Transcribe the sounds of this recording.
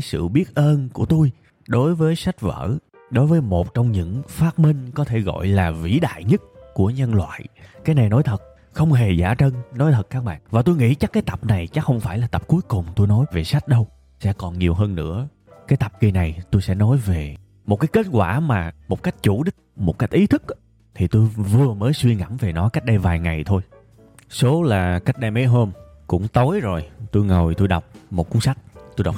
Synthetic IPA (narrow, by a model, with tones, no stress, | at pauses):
a˨˦jsɨ̰˧˨ɓi˦˥ət̚ʔəː˧nku˧˩ət̪u˧j | ɗo˨˦jvəː˨˦jsa˦˥jk̟̚və̰ː˧˥ | ɗo˨˦jvəː˨˦jmo˨˩t̚t͡ɕɔ˧wŋ͡mɲɨ̰˧˥ŋfaː˦˥t̚mï˧ŋkɔ˨˦t̪ʰe˧˩ɣɔ̰˧˨jlaː˨˩vḭ˧˥ɗa̰ː˧˨jɲə˦˥t̚ku˧˩əɲə˧nlwa̰ː˧˨jkaː˨˦jna˨˩jno˨˦jt̪ʰə˨˩t̚ | xə˧wŋ͡mɦe˨˩za̰ː˧˩t͡ɕə˧nnɔ˨˦jt̪ʰə˨˩t̚kːaː˦˥k̚ɓa̰ː˧˨nvaː˨˩t̪u˧jŋḭ˧˥t͡ɕa˦˥kaː˨˦jt̪ə˨˩p̚na˨˩jt͡ɕa˦˥xə˧wŋ͡mfaː˧˩jlaː˨˩t̪ə˨˩p̚ku˨˦jkʊ˨˩ŋ͡mt̪u˧jnɔ˨˦jve˨˩sa˦˥jt̟̚ɗə˧w | sɛ̰˧˥kɔ˨˩nɲi˨˩əwɦəː˧nːɨ̰˧˥ə | kaː˨˦jt̪a˨˩p̚ki˨˩na˨˩jt̪u˧jsɛ̰˧˥nɔ˨˦jve˨˩ | mo˨˩t̚kaː˨˦jke˦˥t̚kwaː˧˩maː˨˩mo˨˩t̚ka˦˥jk̟̚t͡ɕu˧˩ɗï˦˥k̚mo˨˩t̚ka˦˥jk̟̚ʔi˨˦t̪ʰɨ˦˥k̚ | t̪ʰi˨˩t̪u˧jvɨ˨˩əməː˨˦jswi˧əŋa̰˧˥mve˨˩nɔ˨˦ka˦˥k̟̚ɗə˧jvaː˨˩jŋa˨˩jt̪ʰo˧j | so˨˦laː˨˩ka˦˥jk̚ɗə˧jme˨˦jɦəː˧m | kʊ̰˧˥ŋ͡mt̪o˨˦jzo˨˩jt̪u˧jŋə˨˩jt̪u˧jɗa˨˩wk͡p̚mo˨˩kʊ˨˦sa˦˥jk̚t̪u˧jɗa˨˩wk͡p̚